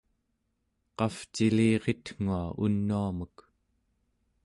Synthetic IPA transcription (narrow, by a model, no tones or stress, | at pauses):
qɑft͡ʃiliːʁet̪ŋ̥uaṵnːuamək